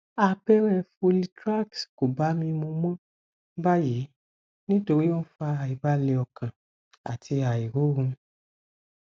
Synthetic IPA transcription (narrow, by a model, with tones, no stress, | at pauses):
a˧bɛ˦ɾ̃ɛ̃˦˨fu˧li˧tɾa˦˨ksko˨ba˨˦mĩ˧mõ˧mɔ̃˦ | ba˦ji˨˦ | nĩ˦to˧ɾi˦o˦n̩˦fa˧a˨i˨ba˦le˧ɔ˧kã˨ | a˨tʰi˧a˨i˨ɾo˨˦ɾũ˧